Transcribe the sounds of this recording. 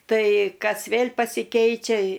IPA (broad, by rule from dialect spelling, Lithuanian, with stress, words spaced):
ˈtɐɪ ˈkɐs ˈʋʲeːlʲ pɐsʲɪˈkʲɛɪt͡ʃʲɛ